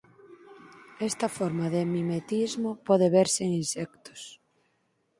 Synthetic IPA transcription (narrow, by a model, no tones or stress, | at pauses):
ɛst̪ɐfɔɾmaðɪmimet̪izmʊpɔðɪβeɾseŋinsɛk̚t̪ʊ̥s